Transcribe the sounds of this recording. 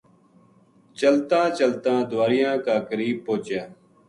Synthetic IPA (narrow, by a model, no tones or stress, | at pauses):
t͡ʃəlt̪ãːt͡ʃəlt̪ãːd̪ʊʋaːɾɪjãːkaːkəɾiːb̚poːt͡ʃjaː